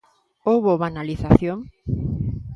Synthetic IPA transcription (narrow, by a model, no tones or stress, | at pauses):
owβoβanaliθaθjoŋ